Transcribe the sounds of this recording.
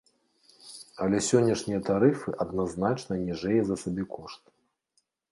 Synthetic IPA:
ɐlʲɛsʲɔnʲːɐʂnʲijɐt̪aɾɨfɨʔɐd̪naznat͡ʂnɐnʲiʐɛjɛzɐsabʲikʰɔʂt̪̚

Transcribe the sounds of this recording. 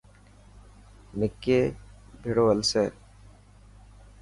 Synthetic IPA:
mɪkːe | bʱiɽoʋəlseː

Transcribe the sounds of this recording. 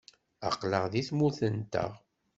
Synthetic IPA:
ə̰qləʁðiθmuθənt̪ə̰ʁ

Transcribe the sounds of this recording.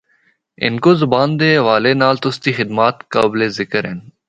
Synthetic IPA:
ɪ̰nkoːzʊbaːnd̪eːʋaːleːnaːlt̪ʊst̪iːxɪd̪maːt̪kəbleːzɪkəɾḛn

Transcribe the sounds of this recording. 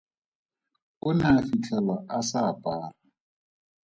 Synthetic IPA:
ʊnafit͡ɬʰɛlaʔasapʼaːra

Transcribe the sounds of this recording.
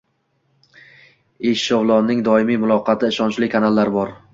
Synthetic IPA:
eʃʃɒvlˠɒnːɪŋd̪ɒɪmijmʊlˠɒqʰɑt̪ʰɪɪʃɒnt͡ʃlɪkʰanalˠːaɾbɒɾ

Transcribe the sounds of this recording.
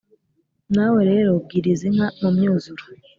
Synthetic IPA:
naweɾe̞ːɾob̚ɡiɾizin̥hamumɲuːzuɾo

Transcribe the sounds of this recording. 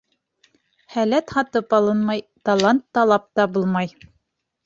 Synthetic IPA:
hælæt̪hɑt̪ɤpɑlˠɤnmɑjt̪ɑlˠant̪ːɑlˠɑp̚t̪ɑbulˠmɑj

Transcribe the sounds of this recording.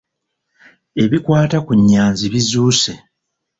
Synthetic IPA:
e̞βikwaːtakuɲːaːnziβizuːse̞

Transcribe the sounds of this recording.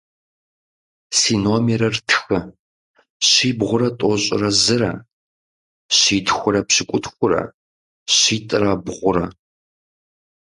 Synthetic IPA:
siːnoːmeɾɐrtʰxɨ | ɕiːbʁʷʊɾɐtʼɔɕʼɪ̰rɐzɨrɐ̰ | ɕiːtxʷʊɾɐpɕɪkʷʼʊtʰxʷʊɾɐ̰ | ɕiːtʼɨraːbʁʷʊɾɐ

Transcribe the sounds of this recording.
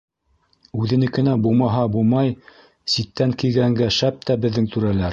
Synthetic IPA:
ʉðɘ̆nɘkɘ̆næbulˠmɑɦɑbulˠmɑj | sit̪ːæŋkijɡæŋɡæʃæp̚t̪æbɘ̆ðːɘŋt̪ʉɾælæɾ

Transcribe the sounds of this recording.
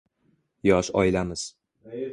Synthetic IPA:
jɒʃɒ̰jlamɪz̥

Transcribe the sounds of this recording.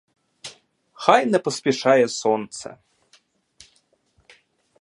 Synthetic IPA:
xajnɐpɐspʲɛʂajɛsɔnt̪sɐ̰

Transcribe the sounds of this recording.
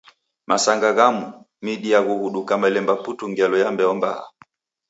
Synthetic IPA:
masaŋɡaɣamu | miɗiaɣuɣuɗukamalɛmbaputuŋɡɛlɔjambɛɔmba̰ha̰

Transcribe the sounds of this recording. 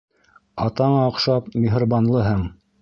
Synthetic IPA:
ɑt̪ɑɴɑqʃɑpmʲiɦ̆rbɑnlˠɤɦɤɴ

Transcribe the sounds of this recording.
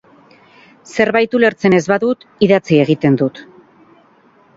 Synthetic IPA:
se̞ɾβajt̪ule̞ɾt͡se̞ne̞zβaðut̪iðat͡sie̞ɣ̞it̪e̞nd̪ut̪

